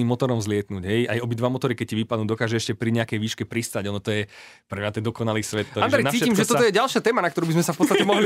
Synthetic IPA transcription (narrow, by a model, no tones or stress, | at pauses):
iːmɔt̪ɔɾɔmzlɪɛt̪nuːɟɦɛjajɔbid̪ʋamɔt̪ɔɾikɛc̚ciʋipad̪nuːd̪ɔkaːʒɛɛʃcɛpɾiɲɛakɛjʋiːʃkɛpɾist̪aɟɔnɔt̪ɔjɛ | pɾɛmɲat̪ɛnd̪ɔkɔnaliːsʋɛt̪ːɔand̪ɾɛjnat͡siːcimʒɛt̪ɔɔjɛɟalˠʃɪat̪ɛːmanakt̪ɔɾuːbizmɛsafpɔt̪t͡sːst̪atcɛmɔɦli